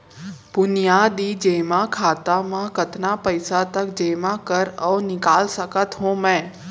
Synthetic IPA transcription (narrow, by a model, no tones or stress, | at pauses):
bʊnijaːd̪id͡ʒeːmãkʰaːt̪amãkət̪napəɪsat̪ɐkd͡ʒeːmãkəɾɔːnɪkaːlsəkət̪ɦõːmɛ̃ː